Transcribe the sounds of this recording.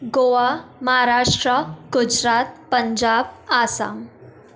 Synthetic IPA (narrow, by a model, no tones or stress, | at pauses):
ɡoʋaməɦaɾaʂʈɾəɡud͡ʑɾat̪̚pəɲd͡ʑabasa̰ŋ